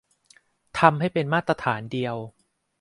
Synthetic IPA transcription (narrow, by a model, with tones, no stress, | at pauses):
t̪ʰa˧mɦa˥˩jpe˧nmaː˥˩t̪ːɾa˧t̪ʰaː˩˦ndi˧əw